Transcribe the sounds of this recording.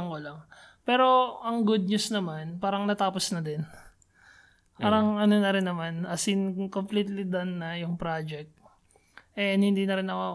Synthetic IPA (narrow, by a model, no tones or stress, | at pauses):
ɐŋkolɐŋ | pɛːɾo̞ʔɐŋɡud̪̚ɲusnɐmanpaːɾɐŋnɐt̪aːposnɐd̪ɛn | paːɾɐŋʔɐnonɐɾɪnːɐmanʔɐsinkompliːt̪lid̪ɐnːɐjʊŋpɾad͡ʒɛk̚t̪̚ | ʔɛnhɪnd̪iːnɐɾɪnɐko